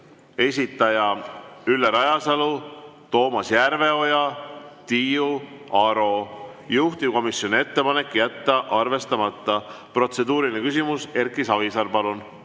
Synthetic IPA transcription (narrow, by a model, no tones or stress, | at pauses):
e̞sʲit̪ːˑɑjɑylːeɾɑjɑsɑlut̪o̞ːmɑsjæɾve̞o̞jɑt̪ijuɑɾo̞ | juht̪iko̞misjo̞nie̞t̪ːe̞pɑne̞kːjæt̪ːɑʔɑrve̞st̪ɑmɑt̪ˑːɑ | pro̞t̪se̞d̪uːɾinekysimuse̞rkːˑisɑvisɑɾpɑlun